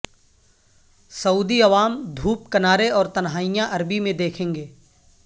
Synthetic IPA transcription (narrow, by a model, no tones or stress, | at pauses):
sɐuːd̪iɐʋaːmd̪ʱuːpkɐnaːɾeɔːɾt̪ɐnɦaːjãʔɐɾbimẽd̪eːkʰẽːŋɡeː